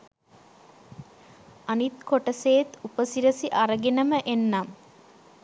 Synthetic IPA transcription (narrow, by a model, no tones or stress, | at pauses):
ɐnit̪koʈəseːt̪upəsiɾəsiʔaɾəɡenəməʔenːam